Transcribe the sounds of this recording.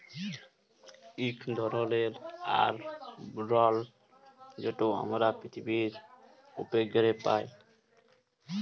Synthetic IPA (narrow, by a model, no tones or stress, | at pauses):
ikʰd̪ʱɔɾɔleɾa̰ɾɾɔl | d͡ʒeʈoa̰mɾapɾit̪ʰibiɾ | upeɡɔɾepa̰j